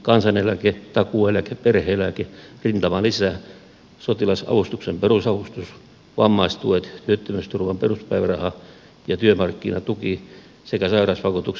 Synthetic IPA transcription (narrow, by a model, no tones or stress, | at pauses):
kɑnsɑnelæket̪ɑkuelækeperheːlækerint̪ɑmɑlisæː | sot̪ilɑsɑ̰ʋust̪uksemperusɑʋust̪us | ʋɑmːɑist̪uet̪t̪yøt̪ːømyst̪urʋɑmperuspæiʋærɑhɑ | jɑt̪yømɑrkːinɑt̪uki | sekæsɑirɑsʋɑkut̪uks